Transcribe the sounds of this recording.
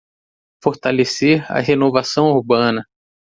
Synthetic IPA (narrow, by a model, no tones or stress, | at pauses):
foɾt̪aleseɾa̰ɦenovasɐ̃w̃uɾbɐ̃nɐ